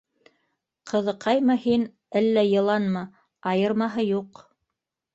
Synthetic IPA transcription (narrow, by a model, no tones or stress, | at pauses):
qʰɤ̆ðɤ̆qʰɑjmɤhin | ælːæjɤ̆lˠɑnmɤ | ɑjɤ̆ɾmɑɦɤjuq